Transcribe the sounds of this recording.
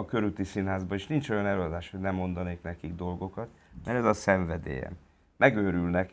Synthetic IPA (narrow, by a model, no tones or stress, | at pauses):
ɒkø̞ɾylt̪isinɦaːzbɒeʃnint͡ʃo̞jɒnɛløːɒd̪aːʃho̞ɟnɛmːo̞nd̪ɒneːknɛkiɡd̪o̞lɡo̞kɒt̪ | mɛɾɛzɒsɛɱvɛd̪ḛːjɛ̰m | mɛɡøːɾylnɛk